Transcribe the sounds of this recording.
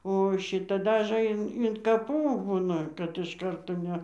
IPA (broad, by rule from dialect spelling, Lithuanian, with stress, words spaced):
oː ˈʃʲɪtɐ ˈdɑːʒɘ ɪn ɪn kɐˈpuː ˈbuːnɐ kɐt ɪʃ ˈkɐrtoː ˈnʲɛ